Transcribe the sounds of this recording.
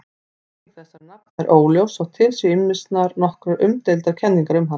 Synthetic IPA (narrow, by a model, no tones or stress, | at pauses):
θɛsːaɾnapnɛɾʔoːwljowsawt̪ʰɪlsʏɪmːɪst̪naɾnɔhkɾʏʔʏmt̪ejlt̪aɾ̥cʰɛnːiŋkaɾʏmɦan